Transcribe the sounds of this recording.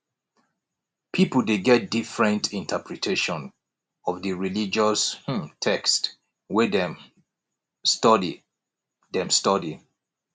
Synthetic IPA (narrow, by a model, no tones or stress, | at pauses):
pʰipəl̩deɡɛt̚difɹɛ̃ntĩntʰəpɹitʰeʃɔ̃n | ɔvdəɹilid͡ʒɔsh̩tʰɛkst | wɛdɛm | stɔdi | dɛ̃mstɔdi